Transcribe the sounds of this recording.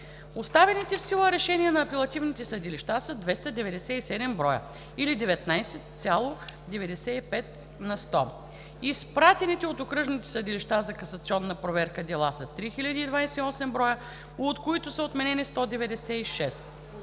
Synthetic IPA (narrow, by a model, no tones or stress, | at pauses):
ost̪avɛnit̪ɛfsilˠəɾɛʃɛniɛnɐːpɛlˠɐt̪ivnit̪ɛsɐd̪iliʃt̪asɐd̪vɛst̪ɐd̪ɛvɛd̪ɛsɛisɛd̪ɛmbɾɔjə̰ | ilid̪ɛvɛt̪najsɛt̪sʲalˠod̪ɛvɛd̪ɛsɛipɛt̪ | nɐst̪ɔ | ispɾat̪ɛnit̪ɛot̪okɾɤʒnit̪ɛ̥səd̪iliʃt̪azɐkɐsɐt̪siɔnːɐpɾovɛɾkəd̪ɛlˠasət̪ɾixilʲɐd̪iːd̪vajsɛiɔsɛmbɾɔjə | ot̪koit̪ʊsəot̪mɛnɛnist̪ɔd̪ɛvɛd̪ɛsɛiʃɛst̪̚